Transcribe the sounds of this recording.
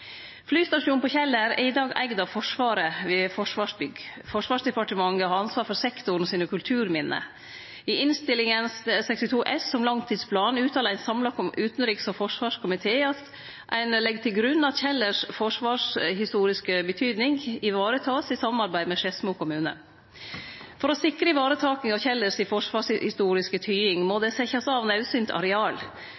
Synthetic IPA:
flyːst̪ɑʂuːnpɔçɛlːəɾɛ̰ɪd̪ɑːɡæ̰ɡd̪ɑʋfɔʂʋɑːɾəʋɪːfɔʂʋɑːʂbʏɡfɔʂʋɑːʂd̪ɛpɑʈəmɑŋɡəhɑɾɑnsʋɑːɾfɔɾsɛkt̪ʊɳ̩ɔsiːnəkʰʉlt̪ʰʉːɾmɪnːə̰ | ɪɪnst̪ɪlɪŋənssɛkst̪ɪt̪ʰuːʔɛssɔmlɑŋt̪ʰiːd̪spʰlɑːnʉːt̪ʰɑːləɾæɪnsɑmlɑkɔmʉːt̪nɾɪksɔfɔʂʋɑːʂkʰʊmɪt̪ʰeːɑt̪ | ʔæɪnlɛɡt̪ʰɪlɡɾʉnːɑt̪çɛlːəʂfɔʂʋɑːʂhɪst̪uːɾɪskəbət̪ʰyːd̪nɪŋɪʋɑːɾət̪ʰɑːsɪsɑmːnɑɾbæɪmɛʂɛsmuːkʰʊmʉːnə̰ | fɔɾɔsɪkɾəɪʋɑːɾət̪ʰɑːkɪŋɑʋçɛlːəsɪfɔʂʋɑːʂhɪst̪uːɾɪskət̪ʰyːɪŋmɔd̪ɛsɛçɑsɑʋnɑʉsyːnt̪ʰɑ̰ɾɛɑːl

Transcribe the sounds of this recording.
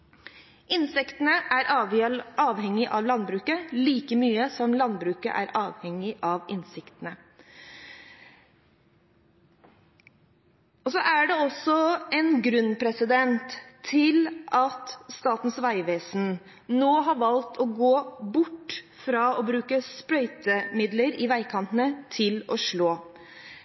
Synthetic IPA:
ʔɪnsɛkt̪ənəʔæɾ | ɑːʋhɛŋːɪʔɑʋlɑnbɾʉːkəliːkəmyːəsɔmlɑnbɾʉːkə̰ʔæ̰ɾʔɑːʋhɛŋːɪʔɑʋɪnsɪkt̪ənə | ɔsɔʔæɖɛɔsɔɛnɡɾʉnːpʰɾɛsɪd̪ɛnt̪ʰːɪlʔɑt̪st̪ɑːt̪n̩sʋæɪʋeːsn̩ | noːɦɑɾʋɑlt̪ʰɔɡoːbʊʈː | fɾɑɔbɾʉːkəspɾœʏt̪əmɪd̪ləɾɪʋæɪkʰɑnt̪ənət̪ʰɪlɔʂɭoː

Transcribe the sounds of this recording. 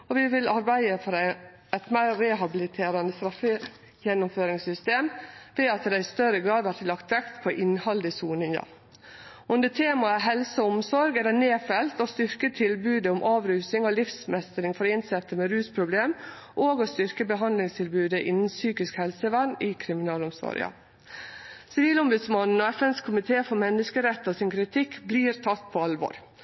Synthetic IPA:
ɔʋɪʋɪlɑɾbæɪəfɔɾæɪ | æɪt̪mæɪɾɛɦɑbɪlɪt̪ʰeːɾɑnəst̪ɾɑfə | jɛnːʊmføːɾɪŋsʏst̪eːmʋeːɑt̪d̪æɪst̪œɾəɡɾɑːd̪ʋæt̪lːɑkt̪ʋɛkt̪pʰɔʔɪnhɑld̪ɪsuːnɪŋɑ̰ | ʊnd̪ət̪ʰeːmɑəɦɛlsəʊmsɔɾɡɛd̪ɛneːfɛlt̪ɔst̪ʏɾkət̪ʰɪlbʉːd̪əʊmʔɑːʋɾʉːsɪŋɔlɪfsmɛst̪əɾɪŋfɔɾɪnsɛt̪ːəmɛɾʉːspʰɾʊbleːm | ʔoːɡɔst̪ʏɾkəbəɦɑnd̪lɪŋst̪ʰɪlbʉːd̪əʔɪnn̩syːkɪskhɛlsəʋæɳɪkʰɾɪmɪnɑːlʊmsɔ̰ɾɪ̰ɑ̰ | sɪʋiːlɔmbʉd̪smɑnn̩ɔɛfɛnskʰʊmɪt̪ʰeːfɔmɛnːəskəɾɛt̪ːɔsɪnkʰɾɪt̪ʰɪkːbliːɾt̪ʰɑt̪ːpʰɔɑlʋɔ̰ɾ

